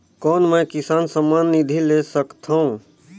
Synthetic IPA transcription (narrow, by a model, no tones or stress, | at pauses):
kɔːnmɛ̃kɪsaːnsəmaːnːid̪ʱilesəkt̪ʰaũ